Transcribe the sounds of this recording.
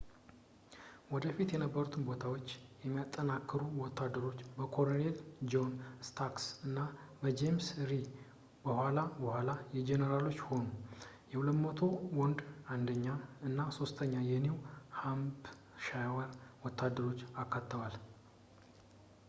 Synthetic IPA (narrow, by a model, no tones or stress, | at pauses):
wɔd̪əfit̪jɛnəbːəɾut̪ʰɨnbo̞t̪ʰawo̞t͡ʃːjɛmːijat̪ʼːənakːɨɾuwɔt̪ʰːad̪ːəɾo̞t͡ʃːbəkʰo̞ɾoneld͡ʒonst̪ʰaksɨnːabəd͡ʒemsɾi | bəhʷalabəhʷalajɛd͡ʒenəɾalo̞t͡ʃːho̞nu | jɛwuləmət̪ʰo̞wɔnd̪and̪əɲːaɨnːaso̞st̪ʰəɲːajɛnewhamb | ʃajwəɾwɔt̪ʰːad̪ːəɾo̞t͡ʃːakːat̪ʰːəwal